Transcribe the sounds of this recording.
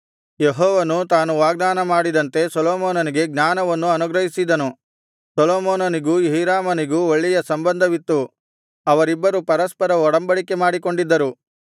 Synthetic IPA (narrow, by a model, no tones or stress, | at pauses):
jeɦɔːʋɐnut̪aːnuʋaːɡ̚d̪aːnɐmaːɽid̪ɐnt̪e̞sɐloːmoːnɐniɡe̞ɡnaːnɐʋɐnːuɐnuɡɾɐɦisid̪ɐnu | sɐloːmoːnɐniɡuɦiːɾaːmɐniɡuoɭːijɐsɐmbɐnd̪ʱɐʋit̪ːu | ɐʋɐɾibːɐɾupɐɾɐspɐɾɐɔɽɐmbɐɽike̞maːɽikoɳɖid̪ːɐɾu